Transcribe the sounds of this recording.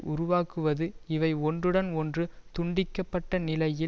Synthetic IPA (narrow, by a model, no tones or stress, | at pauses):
ʔʊɾʊʋaːkɯʋɐðɯɪʋɐɪɔndrɯɽɐnɔndrɯt̪ʊɳɖɪkːɐpːɐʈːɐnɪlɐjɪ